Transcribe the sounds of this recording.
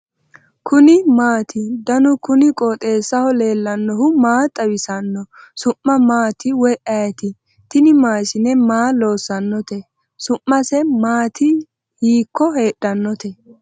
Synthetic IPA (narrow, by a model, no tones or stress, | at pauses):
kʰʊnɪmaːt̪ɪd̪ɐnʊkʊnɪkʼoːt̪ʼe̞ːsːɐhɔle̞ːlːɐnːɔhʊmaːt̪ʼɐwɪsɐnːɔ | sʊʔːɐmaːt̪ɪwɔjʔɐjɛt̪ɪ | t̪ɪnɪmaːʃɪnɛmaːlo̞ːsːɐnːɔt̪ɛ | sʊʔːɐsɛmaːt̪ʰɪ | hiːkːɔhe̞ːɗːɐnːɔt̪ɛ